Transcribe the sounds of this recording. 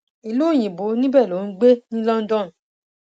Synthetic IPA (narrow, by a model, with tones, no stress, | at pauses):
i˨lo˦˨j̃ĩ˨bo˨˦nĩ˦bɛ˦˨lo˨˦n̩˦ɡ͡be˦nĩ˦lɔ˦n̩˦dɔ̃˦˨